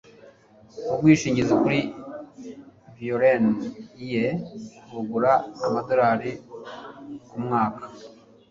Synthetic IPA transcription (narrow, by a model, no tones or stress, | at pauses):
ubɡwiːʃiːɲɟizekuɾi | vioɾenijeɾuɡuɾaːmado̞ɾaːɾi | kumŋaːkḁ